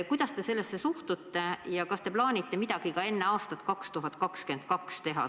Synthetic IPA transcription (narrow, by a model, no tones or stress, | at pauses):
kujd̪̥ɑst̪e̞se̞lːesːe̞suht̪ut̪ːe̞jɑkɑst̪e̞plɑːnʲit̪ːe̞mid̪̥ɑɡ̥ikɑe̞nːe̞ɑːst̪ɑt̪kɑkst̪uɦɑt̪kɑkske̞nt̪̚kɑkst̪e̞ɦɑ̰